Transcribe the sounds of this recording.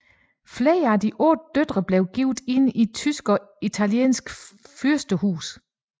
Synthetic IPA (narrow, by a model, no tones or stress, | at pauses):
fleːɐædiʔɔd̥̚ːød̥ʁɐb̥le̝ʊɡ̥iʊd̥e̝nit͡sʰysɡ̥ɒ̽ | it͡sʰæljḛːnsɡ̥fyɐsd̥əhṵːs